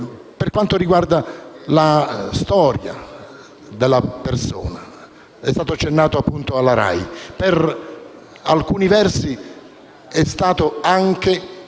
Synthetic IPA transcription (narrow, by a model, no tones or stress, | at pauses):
perkwant̪oɾiɡward̪alast̪ɔːɾja̰ | d̪elːaperso̰ːna | ɛst̪aːt̪oat͡ʃːenːaːt̪oapːunt̪oalːaɾa̰jper | alkuːnivɛrsi | ɛst̪aːt̪oaŋke